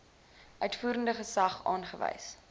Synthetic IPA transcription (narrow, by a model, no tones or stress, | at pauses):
ʔœɥtfuːɾəndəχəsɐχɑːnχəvɛ̰js